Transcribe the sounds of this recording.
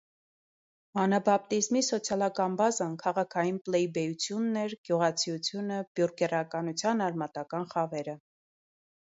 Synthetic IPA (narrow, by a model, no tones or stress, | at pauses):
mɑnɑbɑp̚t̪izmisɔt͡sʰjɑlɑkɑnbɑzɑnkʰɑʁɑkʰɑjinplɛjibɛjut͡sʰjunːɛɾɡ̥juʁɑt͡sʰijut͡sʰjunəb̥juɾɡɛrɑkɑnut͡sʰjɑnɑɾmɑt̪ɑkɑnχɑvɛɾə